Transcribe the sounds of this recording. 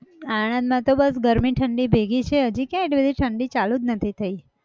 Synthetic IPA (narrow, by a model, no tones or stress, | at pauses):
aɽ̃ə̃nd̪mãt̪obəsɡəɾmiʈʰəɳɖibʱeɡit͡ʃʰeɦəd͡ʒikjãeʈibəd̪ʱiʈʰəɳɖit͡ʃalud͡ʒnət̪ʰit̪ʰəi